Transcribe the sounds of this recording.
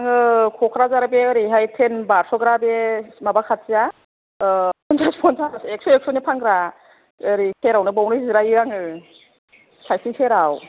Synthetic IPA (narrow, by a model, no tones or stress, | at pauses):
aŋɯkʰɔkʰɾazaɾabeɯɾiɦajtʰenbaɾsɔɡɾabemabakʰat̚sija | pɔnzʰaspʰɔnzasek̚sɔek̚sɔnipʰaŋɡɾa | ɯɾiseɾawnɯbawnɯziɾaiɾaŋɯ | sajsiŋsʰeɾaw